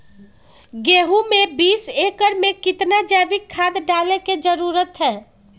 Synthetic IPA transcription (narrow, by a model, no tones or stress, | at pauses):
ɡeɦumebiːsekəɾmekɪt̪nad͡ʒɛbɪkʰːad̪ɖaleked͡ʒəɾuɾət̪ɦɛː